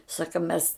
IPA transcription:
ˈsɑːkɐ mʲɛs

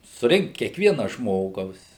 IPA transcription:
sʊˈrʲɪŋkt kʲiɛkˈʋʲiɛnɐ ˈʒmoːɡɐʊs

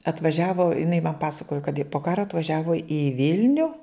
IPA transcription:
ɐtʋɐˈʒʲæːʋoː ɪˈnɐɪ mɐn ˈpɑːsɐkoːjoː kɐt ɪ poː ˈkɑːroː ɐtʋɐˈʒʲæːʋoː ɪ ˈʋʲɪlʲnʲʊ

